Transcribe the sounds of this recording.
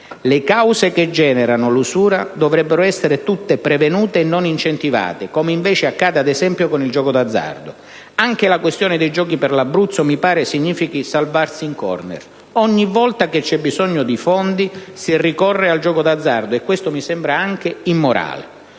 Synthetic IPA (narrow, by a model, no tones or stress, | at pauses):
lekawseked͡ʒɛːneɾanʊlusuːɾad̪ovɾɛbːeɾoɛsːeɾet̪ut̪ːepɾevenuːt̪eːnːonint͡ʃent̪iva̰ːt̪ekɔːmeiɱvɛːt͡ʃeakːaːd̪ead̪ɛzɛmpjokonild͡ʒɔːkod̪ad̪zːa̰rd̪ʊ̰ | aŋk̟elakwest̪joːnɪd̪ejd͡ʒɔːkipɪrlabːɾut̪sːomipaːɾesiɲːiːfikisalvarsiːŋkɔ̰rnḛr | ɔɲːivːɔlt̪aket͡ʃːɛbːizɔɲːʊd̪ifɔnd̪isirikɔrːeald͡ʒɔːkod̪ad̪zːard̪oekːwest̪omisɛmbɾaaŋk̟ɪimːoɾa̰ːlḛ